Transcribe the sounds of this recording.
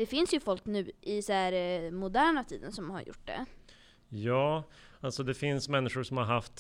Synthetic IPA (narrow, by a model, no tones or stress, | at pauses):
d̪̥ɛfɪnsjɵfɔlknʉ̟ːʔɪsæɾmʊd̪æːɳat̪ʰḭːd̪ənsɔmha̰ɾjʊ̰ʈːd̪ɛ̰ | jɑː | alsɔd̪ɛfɪnsmɛnːɪɧʊʂɔmhaɾɦaft̪